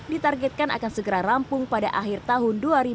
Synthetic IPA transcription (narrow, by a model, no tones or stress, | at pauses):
dit̪arɡɛt̪̚kanʔa̰kansəɡəɾaɾampʊŋpada̰ʔaɦirt̪aɦʊnduaɾi